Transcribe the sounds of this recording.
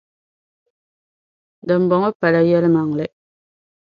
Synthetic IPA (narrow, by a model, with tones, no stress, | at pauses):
də˨mbɔ˨ŋɔ˦pa˨la˦jɛ˦lma˨ŋ˨lɛ˦